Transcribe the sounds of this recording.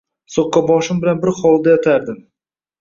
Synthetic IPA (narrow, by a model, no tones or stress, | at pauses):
soqːɑbɒʃɪmbɪlanbɪɾχɒlˠd̪ajat̪ʰaɾd̪ɪm